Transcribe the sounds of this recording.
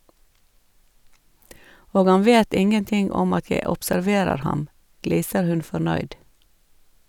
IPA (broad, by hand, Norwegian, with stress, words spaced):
ˈoːɡ ˈɑn ˈʋeːt ˈɪŋənˌtɪŋ ˈɔm ˈɑt ˈjæɪ ɔpsæɾˈʋeːɾəɾ ˈhɑm ˈɡliːsəɾ ˈhʉn fɔɾˈnœʏd